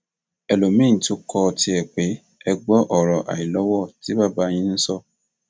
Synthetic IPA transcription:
ɛ˨lo˨mĩ˦˨to˦kʰɔ˧ti˧ɛ˨k͡pe˨˦ | ɛ˧ɡ͡bɔ˦ʔɔ˦˨ɾɔ˨ʔa̰˨i˨lɔ˨˦wɔ˦˨ti˨˦ba˦˨ba˧˦˧j̃ĩ˧nĩ˦sɔ˦˨

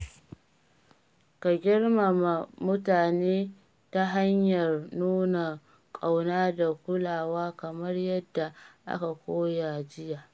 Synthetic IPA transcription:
ka˨ɡʲɪ˦rma˨ma˨mʊ˦taː˨neː˦ | ta˦ɦa˦ɲjɐ˨rnuː˦na˨ | kʼa˨wnaː˦da˨kʷʊ˦laː˨waː˦kɐ˨mɐ˦rjɐ˦dːa˨ʔa̰˦ka˨kʷoː˦ja˨d͡ʒɪ˦jaː˨ʔ

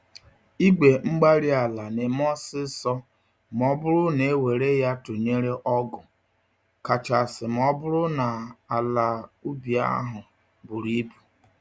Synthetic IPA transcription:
i˦ɡ͡be˨ŋ͡m̩˦ɡ͡ba˦ɾi˦a˨la˨ne˨m˦ɔ˦sɪ˦sɔ˦ | m˨ɔ˦bʊ˦ɾʊ˦ne˨˦we˨ɾe˦ja˦tʊ˨ɲe˦ɾe˦ʔɔ˦ɡʊ˨ | ka˨t͡ʃa˨sɪ˨m˨ɔ˦bʊ˦ɾʊ˦na˨a˨la˨u˦bi˨a̰˦ɦʊ˨ | bʊ˨ɾi˦pu̥˨

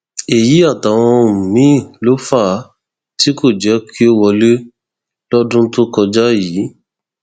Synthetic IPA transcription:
e˨ji˨˦a˦˨ta˨w̃ɔ̃˧˨mũ˨mĩ˨˦˨lo˦fa˦˨˦ | ti˦ko˦˨d͡ʒɛ˨˦kʰi˦o˦wɔ˧le˦ | lɔ˦dũ˦to˦kɔ˧d͡ʒa˦ji˨˦

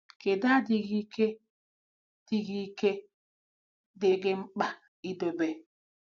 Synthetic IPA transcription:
ke˨da˦dɪ˦ɣi˦ke˦ | d̥i˦ɣi˦ke˦ | dɪ˦ɡɪ˦ŋ͡m̩˦k͡pa˨ | i˦do˨be˨

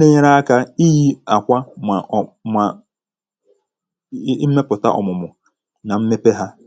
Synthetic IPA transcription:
ne˦ɲe˦ɾa˦a˦ka˦i˦ji˦a˨kʷa˦mʷa˨ | ma˨˦ | me˦pʊ˨ta̰˦ʔɔ̰˨mʊ˨mʊ˨ | na˨m̩˦me˦pe˦ɦa˦

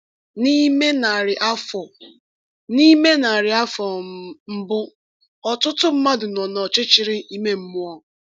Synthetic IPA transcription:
ni˦me˦na˨ɾɪ˨ʔa˦fɔ˨ | ni˦me˦na˨ɾɪ˨a˦fɔ˨m̩˦bʊ˦ | ɔ˨tʊ˦tʊ˦m̩˦ma˦dʊ˨nɔ˨nɔ˨t͡ʃɪ˦t͡ʃɪ˨ɾɪ˦i˦me˦m̩˦mʊ˦ɔ˨

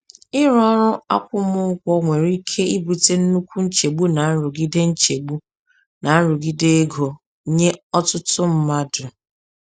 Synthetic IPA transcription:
ɪ˦ɾɔ˦ɾʊ˦a̰˦kʷʊ˦mʊ˦kʷɔ˦ŋʷe˨ɾi˦kʰe˦i˦bu˨te˦n̩˦nu˦kʷu˦n̩˦t͡ʃe˨ɡ͡bu˦na˨n̩˦ɾʊ˨ɡi˦de˦n̩˦t͡ʃe˨ɡ͡bu˦ | na˨n̩˦ɾʊ˨ɡi˦de˦e˦ɡo˨˦ | ɲe˦ɔ˦tʊ˦tʊ˦m̩˦ma˦dʊ˨

